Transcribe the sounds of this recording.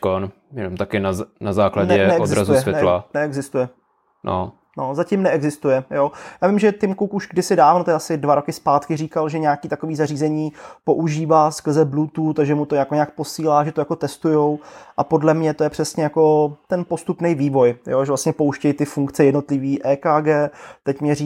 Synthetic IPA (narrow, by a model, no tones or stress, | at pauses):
kon | jɛnomt̪akɪnanazaːklanɟɛɛɛozɪsɾazuɛsvjɛnɛlanɛɛɡzɪst̪ujɛ | no̰ | nozacɪmnɛʔɛɡzɪst̪ujɛjojaːvɪmʒɛt̪ɪmkuwkuʃɡ̚dɪsɪdaːvnot̪ʔasɪdvaɾo̞kɪspaːt̪kɪriːkalʒɛɲaːkiːt̪akoviːzariːzɛɲiːpo̞ʔuʒiːvaːskr̩zɛblut̪uːt̪aʒɛmut̪oɲakoɲaːk̚posiːlaːʒɛt̪ojako̞t̪ɛst̪ujowʔapo̞dlɛmɲɛt̪o̞jɛpr̥ɛsɲɛjako̞t̪ɛnpo̞st̪upnɛjviːvo̞jjoʒɛvlast̪ɲɛpo̞wʃcɛjt̪ɪfuŋkt͡sɛjɛdno̞t̪lɪviːʔɛːkaːɡɛːt̪ɛcmɲɛɾi